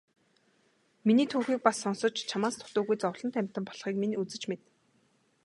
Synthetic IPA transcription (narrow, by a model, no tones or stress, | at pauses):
miniːt̪ʰuːxiːk̚pasːɔnsɞ̆t͡ɕt͡ɕʰamaːst̪ʰʊ̥t̪ʊːɣujt͡sɔwɮɞ̆nt̪ʰæm̥ʲt̪ə̆mpɔɮχiːkminut͡sɘ̆t͡ɕmet̪